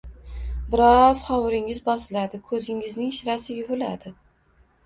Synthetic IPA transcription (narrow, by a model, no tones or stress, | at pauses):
bɪɾɒz̥χɒwɾɪŋɪzbɒsɪlad̪ɪkʰɵzɪŋɪznɪŋʃɾasɪjʲʊvʊla̰d̪ɪ